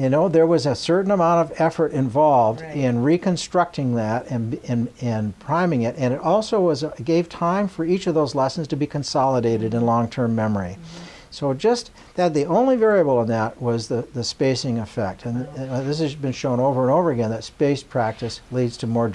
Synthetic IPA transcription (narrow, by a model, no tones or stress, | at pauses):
jɨnoʊðə˞wʌzɨsɜ˞ʔn̩əmãʊ̃ñtʌvɛfə˞ɾɨ̃ɱvɑlˠvdɪ̃nɹikɨ̃nstɹ̥ʌk̚tɪ̃ŋðɨɾɨ̃nɨ̃nɪ̃npʰɹ̥ãɪ̃mɪ̃ŋɪɾɨ̃ñɨɾɔlˠsoʊwʌzɡeɪv̥tʰãɪ̃ɱfə˞it͡ʃʌvðoʊzlɛsn̩z̥tʰɨbikʰɨ̃n̩sɑlˠəɾeɪɾɨɾɨ̃nlɔ̃ŋtʰɜ̃˞mːɛmə˞ḭ | soʊd͡ʒʌst | ðɨt̪̚ðiõʊ̃nlivɛɹiɨbl̩ˠə̃nðət̚wʌzðɨðɨspeɪsɪ̃ŋɨfɛ̰k̚tʰɨ̃nðɪs̬ɨzbɨ̃nʃõʊ̃noʊvə˞ə̃noʊvə˞ɨɡɛ̃nðɨtspeɪspʰɹ̥æk̚tɨslidz̥tʰɨmɔɹ